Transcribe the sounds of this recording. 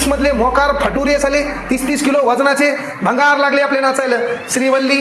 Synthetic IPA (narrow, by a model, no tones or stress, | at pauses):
ʂməd̪ʱljemɔkaɾpʰəʈuːɾjesalet̪ist̪iːskiloʋəd͡znat͡ɕe | bʱə̃ŋɡaɾlaɡleaplenat͡sajləːɕɾiʋəlːiː